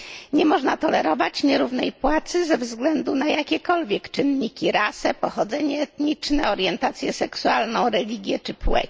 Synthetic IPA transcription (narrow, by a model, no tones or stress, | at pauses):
ɲɛmɔʐnat̪ɔlɛɾɔvat͡ɕɲɛɾuvnɛjpwat̪sɘzɛvzɡlɛnd̪unajakʲɛkɔlvʲjɛkt͡ʂɘnɲikʲiɾasɛpɔxɔd̪zɛɲɛːt̪ɲit͡ʂnɛɔɾjɛnt̪at̪sʲjɛsɛksualnɔ̃w̃ɾɛlʲiɡʲjɛt͡ʂɘpwɛ̰